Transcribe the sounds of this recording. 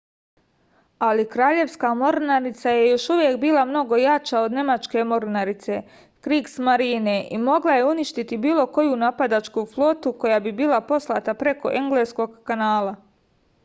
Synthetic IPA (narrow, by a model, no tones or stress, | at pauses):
alikɾaːʎe̞ʋskamo̞ɾnaɾit̪saje̞jo̞ʃuʋjekbiːlˠamno̞ɡo̞jat͡ʃaod̪ne̞mat͡ʃke̞mo̞ɾnaɾit̪se̞ | kɾiːɡsmaɾiːne̞ʔimo̞ɡlˠaje̞uniʃt̪it̪ibiːlo̞ko̞junapad̪at͡ʃkuflˠo̞ːt̪uko̞jaːbibiːlapo̞slˠat̪apɾe̞ko̞̰ʔeŋɡle̞ːsko̞ɡkanaːlˠa